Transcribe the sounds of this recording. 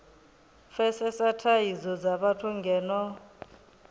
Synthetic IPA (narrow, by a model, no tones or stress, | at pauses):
fɛsɛsatʰajid͡zɔd͡zaβatʰuŋɡʱɛːnɔ